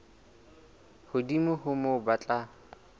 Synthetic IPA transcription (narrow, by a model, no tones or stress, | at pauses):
hʊdimʊhʊmʊbat͡ɬʼa